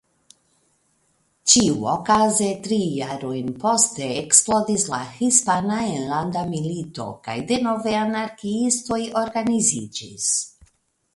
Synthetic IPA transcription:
t͡ʃiuokaze̞tɾijaɾojnpo̞ste̞ːksplo̞disla̰hispanaenlandamilito̞̰ka̰jde̞no̞veanaɾkiisto̞jo̞ɾɡanizid͡ʒis

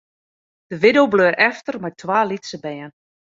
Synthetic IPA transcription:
d̥əʋɪdowbløːɾɛftərmajtʰʋaːlitsəbɛjən

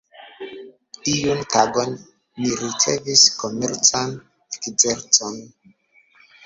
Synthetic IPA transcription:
tiuntaɡonː | iɾit͡sḛviskomeɾt͡san | ekd͡ʒeɾt͡son

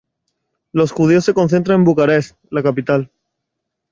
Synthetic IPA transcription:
lo̞sxuðio̞sːe̞ko̞nθ̬e̞nt̪̬ɾanembukaɾes | lakapit̪al

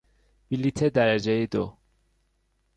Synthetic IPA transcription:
bilit̪ʰed̪æɾæd͡ʒejid̪o̰

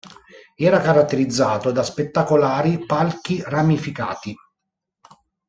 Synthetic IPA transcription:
ɛːɾakaɾat̪ːeɾid̪zːaːt̪od̪aspet̪ːakolaːɾipalk̟iramifika̰ːt̪i

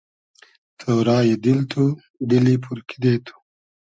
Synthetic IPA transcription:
t̪ʰowɾɑːjed̪ilt̪ʰu | d̪ilipʰuɾkʰid̪et̪ʰu̥

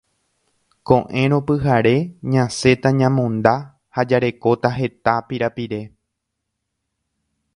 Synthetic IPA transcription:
kõ̞ʔẽ̞ɾ̃õ̞pɨɦaɾe̞ɲãse̞t̪aɲãmõ̞nd̪a | had͡ʒaɾe̞ko̞t̪aɦe̞t̪apiɾapiɾe̞

